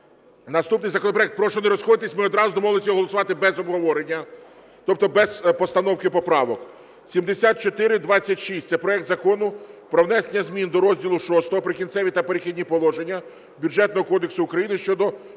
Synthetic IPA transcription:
nɐst̪upnɪjzɐkɔnɔpɾɔɛkt̪̚pɾɔʃɔneɾɔsxɔd̪ɪt̪esʲmɪɔd̪ɾɑzʊɔmɔɦlˠɪsʲiɔɦɔlˠɔsʊʋɑt̪ɪbɛzɔbɦɔʋɔɾenʲːɐ | t̪ɔp̚t̪ɔbɛzpɔst̪ɐnɔwkɪpɔpɾɑʋɔk | sʲimd̪esʲat̪̚t͡ʃɔt̪ɪɾɪd̪ʋɑt͡sʲːɐtʲʃisʲt̪ʲsɛpɾɔɛk̚t̪zɐkɔnʊpɾɔʋwnɛsenʲːɐzʲmʲind̪ɔɾɔzʲdʲilˠʊʃɔst̪ɔɦɔpɾɪkʲint̪sɛʋʲit̪ɐpeɾexʲid̪ʲnʲipɔlˠɔʒenʲːɐ | bʲjuʒɛt̪nɔɦɔkɔd̪eksʊʊkɾɐjinɪʃt͡ʃɔd̪ɔ

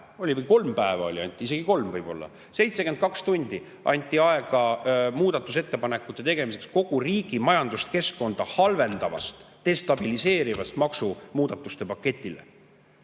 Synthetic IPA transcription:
o̞lʲivɤjko̞lmpæevɑ̰olʲiɑ̰nʲt̪ʲːˑiise̞ɡ̥iko̞lmvɤjbo̞̰lːɑ̰ | se̞jt̪sekend̪̥kɑkst̪unʲd̪̥i | ʔɑ̰nʲt̪ʲːˑiɑeɡ̥ɑmuːd̪̥ɑt̪ːˑuse̞t̪ːe̞pɑne̞kːˑut̪ˑːe̞t̪e̞ɡ̥e̞mis̬e̞ksko̞ɡ̥uriːɡ̥imɑjɑnd̪̥ust̪ke̞sko̞nd̪̥ɑhɑlve̞nd̪̥ɑvɑ̰st̪ːe̞st̪ɑb̥ilise̞ːɾivɑst̪mɑksumuːd̪̥ɑt̪ːˑust̪e̞pɑkːe̞t̪ʲːˑile̞̰

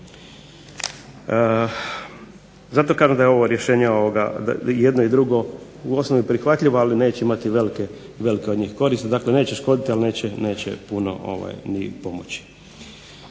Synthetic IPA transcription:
zat̪o̞kaːʒemd̪ajeo̞ʋo̞ɾjeʃe̞ːɲeoʋoɡa̰jed̪noid̪ɾuɡo̞ | uo̞sno̞ʋipɾixʋat̪ʎiʋoaline̞ːt͡ɕe̞imat̪iʋe̞like | ʋe̞likeod̪ɲiːxko̞ɾiːst̪ed̪akle̞ne̞ːt͡ɕeʃko̞d̪it̪ialine̞ːt͡ɕene̞ːt͡ɕḛpuno̞̰ʔo̰ʋa̰jnipo̞mo̰t͡ɕi̥

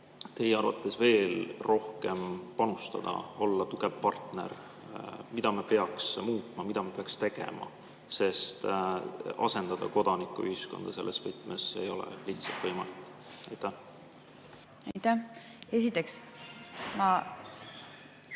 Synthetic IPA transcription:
t̪e̞jeɑrvɑ̰t̪ːˑesve̞ːlro̞hke̞mpɑnust̪ɑd̪̥ɑ̰o̞lːɑt̪uɡ̥ev̥pɑrt̪ne̞̰r | mid̪ɑmepe̞ɑksmuːt̪ˑmɑmid̪ɑmepeɑkst̪eɡ̥e̞̰mɑ̰ | se̞st̪ | ɑ̰se̞nd̪̥ɑd̪ɑko̞d̪̥ɑnikːˑuyhisko̞nd̪̥ɑse̞̰lːesvɤt̪ːˑmesːḛjo̞̰lḛliht̪sɑlt̪vɤjmɑlikːˑ | ɑjt̪ːæh | ɑjt̪æ | esit̪ːˑeks | mɑ

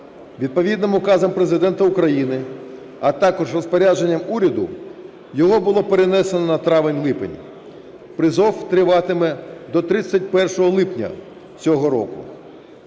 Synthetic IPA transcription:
ʋʲid̪̚pɔʋʲid̪nɪmʊkɑzɐmpɾe̞zɪd̪ɛnt̪ɐʊkɾɐjinɪ | ɐt̪ɑkɔʒrɔspɔɾʲad͡ʒenʲːɐmuɾʲɐd̪ʊ̰ | jɔɦɔbʊlˠɔpeɾenɛsenɔnɐt̪ɾɑʋɪnʲlˠɪpḛnʲḭ | pɾɪzɔwt̪ɾɪʋɑt̪ɪmɛd̪ɔt̪ɾɪt͡sʲːɐt̚ʲpɛrʃɔɦɔlˠɪpnʲɐ̰ | t͡sʲɔɦɔɾɔ̰kʊ

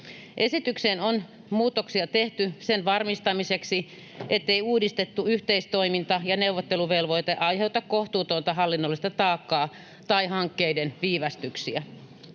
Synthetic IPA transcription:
ʔesit̪yksenon | muːt̪ːˑoksiɑt̪eht̪ysenʋɑrmist̪ɑmiseksi | et̪ːeiuːdist̪et̪ːuyht̪eist̪oimint̪ɑjɑneuʋːˑot̪ːeluʋelʋoit̪eʔɑiheut̪ɑkkoht̪uːt̪ont̪ɑhɑlːinːolːˑist̪ɑt̪ɑːkːɑː | t̪ɑihɑŋkːeidenʋiːʋɑst̪yksiæ

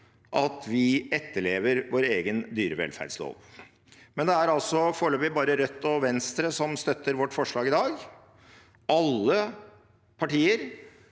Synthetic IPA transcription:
ʔɑt̪ʋɪɛt̪ːəɭeːʋəɾʋoːɾeːɡənd̪yːɾəʋɛ̰lfæ̰ɖslo̰ːʋ | mɛnd̪ɛæɾɑlsɔfoːɭøːpɪbɑːɾəɾœt̪ːɔʋɛnst̪ɾəsɔmst̪œt̪ːəɾʋɔʈːfɔʂɭɑːɡɪd̪ɑːɡ | ʔɑlːə | pʰɑʈiːəɾ

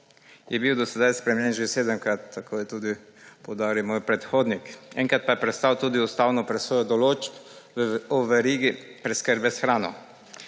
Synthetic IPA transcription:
jɛbiwd̪ɔsɛd̪ajspɾɛmjɛnʒeseːd̪əmkɾat̪ːakʰoːjɛt̪uːd̪i | pɔwd̪aːɾiwmoːjpɾɛt̪xoːd̪nikɛ̰ŋkɾat̪̚pajɛpɾɛt̪st̪awt̪uːd̪iust̪aːwnɔpɾɛsʋoːjɔd̪ɔloːd͡ʒp | ɔʋɛɾiːɡipɾɛskəɾbɛsxɾaːnɔ̰

